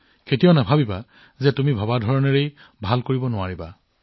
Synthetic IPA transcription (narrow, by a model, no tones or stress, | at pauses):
kʰetijonabʱabiba | zɛtumibʱɔbadʱɔɹɔneɹej | bʱalkoɹibɔnʊaɹiba